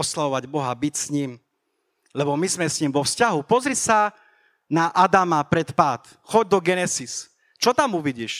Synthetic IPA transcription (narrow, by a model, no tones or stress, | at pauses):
ɔslaʋɔʋaɟbɔɦabicsɲiːm | lɛbɔmizmɛsɲimʋɔfscaɦupɔzɾisa | naʔad̪amapɾɛt̪paːt̪ | xɔɟ̚d̪ɔɡɛnɛsis | t͡ʃɔt̪amuʋiɟiːʃ